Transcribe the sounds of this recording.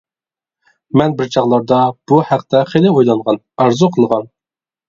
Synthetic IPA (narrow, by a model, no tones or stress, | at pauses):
mɛnbɪɾt͡ʃʰɑʁlˠɑɾd̪ɑb̥uhæq̚t̪ɛχelɪojlˠɑɴʁɑn | ɑɾzuqʰəlˠʁɑn